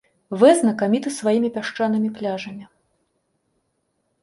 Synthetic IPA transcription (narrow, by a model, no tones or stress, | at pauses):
vɛznɐkamʲit̪ɨsvajimʲipʲaʂt͡ʂanɨmʲiplʲaʐɐmʲi